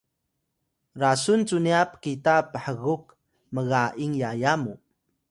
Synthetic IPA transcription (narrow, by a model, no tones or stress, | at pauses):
ɾasunt͡suniap̚kitapəħəɣuk̚ | məɣaʔiŋjajamu